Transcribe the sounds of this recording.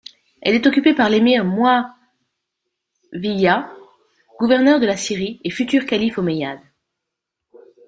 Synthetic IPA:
ɛlɛt̪ɔkʲypepaʁlemiʁmwa | vija | ɡ̥uvɛʁnœʁd̪əlasiʁiefyt̪yʁkalifomejad̪

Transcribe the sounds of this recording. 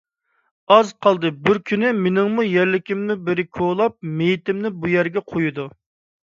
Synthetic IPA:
ɑzqʰɑlˠd̪ɨbɪɾkʲʰynɪmenɪŋmujæɾlɪkʲimnɪbɪɾɪkʰolˠɑp̚mejit̪ɪmnɪbujæɾɡʲɛqʰojud̪u

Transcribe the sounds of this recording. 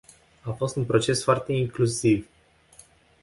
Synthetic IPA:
afo̞st̪unpɾo̞t͡ʃe̞sfoart̪e̞iŋklusiv

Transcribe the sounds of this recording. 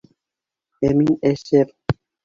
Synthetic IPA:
emineʃeɾ

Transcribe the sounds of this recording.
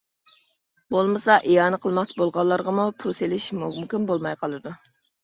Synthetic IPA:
bolˠmɨsɑʔijɑːnɨqʰəlˠmɑχt͡ʃʰibolˠʁɑlˠːɑɾʁɑmupʰuselɪʃmumkʲinbolˠmɑjqʰɑlˠɨd̪u

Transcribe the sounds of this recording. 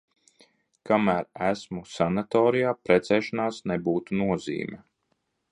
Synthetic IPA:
kamæːɾæsmusanat̪ɔːɾijaːpɾɛt̪sɛːʃanaːsnebuːt̪unuɔzḭːmʲɛ

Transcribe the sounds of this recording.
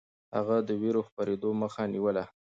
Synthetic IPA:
ha̰ɣad̪əweɾoxpaɾed̪oməxaniwəla

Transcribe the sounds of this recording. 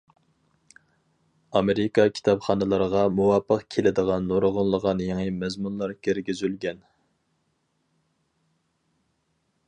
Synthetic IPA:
ɑmeɾikʰɑkʲʰi̥t̪ɑpχɑnɨlˠɑɾʁɑmuwɑpʰːəqkʲʰelɪd̪əʁɑnːoɾʁʊnlˠəʁɑnjeŋɨmɛzmunlˠɑɾkʲʰɪɾɡʲizylɡʲɛn

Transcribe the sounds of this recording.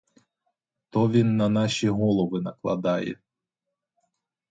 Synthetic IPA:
t̪ɔʋʲinːɐnɑʃʲiɦɔlˠɔʋɪnɐklˠɐ̰d̪ɑjɛ̰

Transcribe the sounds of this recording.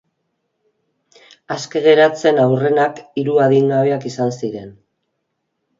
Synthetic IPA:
aske̞ɣe̞ɾat͡se̞nawre̞nakiɾuaðiŋɡaβe̞akisansiɾe̞n

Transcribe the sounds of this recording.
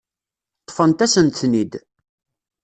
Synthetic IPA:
t̪ˤːfənt̪æsənt̪nid̪

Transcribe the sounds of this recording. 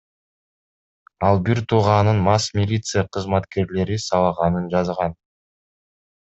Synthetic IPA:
ɑlˠbiɾt̪ʰuʁɑnɯnmɑsmʲɪlʲit̪sɨjəqʰəzmɑt̪ke̞ɾle̞ɾisɑlˠɑʁɑnɯnd͡ʒɑzʁɑn

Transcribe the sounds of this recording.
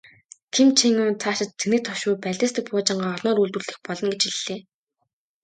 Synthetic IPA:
k̪ʰimt͡ɕʰiŋʊːnt͡sʰaːʃɪ̆t̪t͡sʰenɘ̆k̚t̪ʰɔʃʊːpæɮʲɪ̆st̪ɘ̆k̚pʊːt͡ɕɪ̆ɴɢaːɔɮnɔːɾuɮt̪ŭɮɘ̆xpɔɮɞ̆nɡet͡ɕiɮːeː

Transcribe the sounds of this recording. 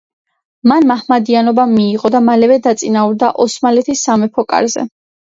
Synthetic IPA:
manmahmad̪ianɔbamiːʁɔd̪amalɛvɛd̪at̪sʼinauɾd̪aʔɔsmalɛt̪ʰisːamɛpʰɔkʼa̰ɾzɛ̰

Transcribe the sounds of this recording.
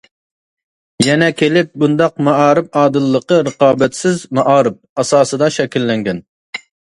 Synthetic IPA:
jɛnɛkʲʰelɪp̚bund̪ɑqmɑɑːɾɨp̚ɑːd̪ɨlˠːəqəɾəqɑːbɛt̪sɪzmɑʔɑːɾɨp̚ɑsɑːsɨd̪ɑʃɛkʲilːɛŋɡʲɛn

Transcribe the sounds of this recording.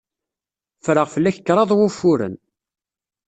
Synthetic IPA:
fɾəʁfəlːæçə̥kːɾˤɑðˤwʊfːʊɾə̰n

